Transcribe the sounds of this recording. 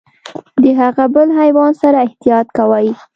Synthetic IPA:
d̪əɦaɣabəlɦajwɑnsaɾaɪht̪ijɑt̪kawaj

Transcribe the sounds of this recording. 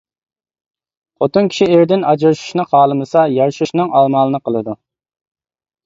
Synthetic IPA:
qʰot̪unkʲʰi̥ʃieɾd̪ɪnɑd͡ʒɾʃu̥ʃnɨχɑːlˠɨmɨsɑjɑɾʃuʃnɨŋɑlˠmɑːlˠɨnɨqʰəlˠɨd̪u

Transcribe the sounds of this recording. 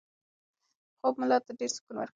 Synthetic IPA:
xob̚mʊlɑt̪aɖeɾsʊ̥kunwa̰ɾk

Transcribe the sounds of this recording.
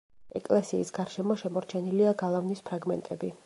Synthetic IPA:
ɛkʼlɛsiːsɡaɾʃɛmɔʃɛmɔɾt͡ʃʰɛniliaɡalˠavnispʰɾaɡmɛ̰nt̪ʼɛbi

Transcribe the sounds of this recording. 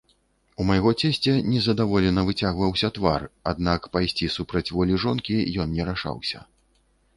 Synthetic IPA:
umɐjɣɔt͡sʲɛsʲt͡sʲɛnʲɛzɐd̪avɔlʲɛnɐvɨt͡sʲaɣvɐwsʲɐt̪varad̪̚nakpajsʲt͡sʲisupɾɐt͡sʲvɔlʲiʐɔnkʲijɔnnʲɛɾaʂa̰wsʲɐ̰

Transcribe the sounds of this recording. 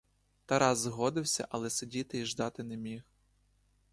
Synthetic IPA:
t̪ɐɾɑzːɦɔd̪ɪwsʲɐ̰ʔɐlˠɛsedʲit̪ɪiʒd̪ɑt̪ɪnɛmʲix

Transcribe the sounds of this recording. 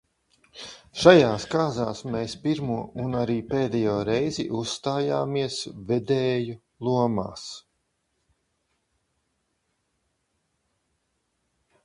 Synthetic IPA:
ʃajaːskaːzaːsmeːspiɾmuɔʔunaɾiːpeːd̪ɛjoːɾɛjziʔusːt̪aːjaːmiɛsvɛd̪ɛːju | lˠuɔma̰ːs

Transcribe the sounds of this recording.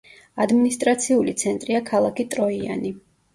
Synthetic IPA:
ad̪minist̪ʼɾat̪sʰiulit̪sʰɛnt̪ʼɾiakʰalˠakʰit̪ʼɾɔia̰ni

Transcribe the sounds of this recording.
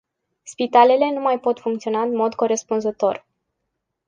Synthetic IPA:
spit̪ale̞le̞numajpo̞t̪fuŋkt̪sio̞naɨnmo̞d̪ko̞ɾe̞spunzət̪o̞̰r

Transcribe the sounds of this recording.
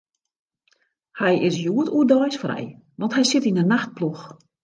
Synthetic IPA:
hɛjɪsjuətuədɔjsfrɛ̰j | ʋɔntɦɛjsɪtinənːaxt̚plux

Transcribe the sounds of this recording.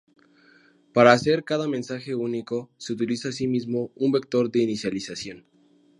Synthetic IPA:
paɾaːse̞ɾkaðamẽnsaxe̞uniko̞se̞ut̪̬ilisaːs̬imizmo̞umbe̞k̚t̪o̞ɾðe̞inisjalisasjo̞n

